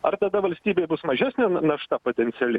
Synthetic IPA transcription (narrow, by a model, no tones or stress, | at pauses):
ɐrt̪ɐd̪ɐʋɐlʲsʲt̪ʲiːbʲejbʊsmɐʒʲæːsʲnʲɛnɐʃt̪ɐpoːt̪ʲɛnʲt̪sʲɪɛlʲɪ